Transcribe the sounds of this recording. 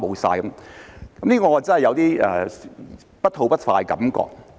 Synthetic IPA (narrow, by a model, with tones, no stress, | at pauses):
mo˨˧wsa̰ː˧jkɐ˨˦mkɐ˨˥mliː˥kɔː˧ŋɔː˨˧t͡sɐ˥nhɐ˨jɐ˨˧wt̪iː˥ʔɛ̰ː˨˩ | pɐ˥t̚tʰo˨˧wpɐ˥t̚faː˧jkɐ̰˨˥mkɔ̰ː˧k̚